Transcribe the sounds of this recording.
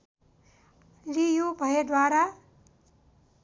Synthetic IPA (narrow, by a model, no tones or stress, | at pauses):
lijobʱʌed̪waɾa